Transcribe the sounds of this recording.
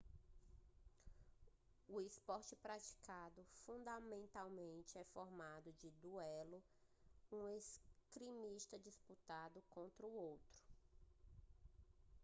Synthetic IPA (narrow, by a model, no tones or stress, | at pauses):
ʊispɔɾt͡ʃɪpɾat͡ʃi̥kad̪ʊfũd̪ɐmẽnt̪awmẽnt͡ʃɪɛfɔɾmad̪ʊd͡ʒɪd̪uɛlʊ | ũeskɾimiʃt̪ɐd͡ʒisput̪ad̪ʊkõnt̪ɾɐuowt̪ɾʊ̥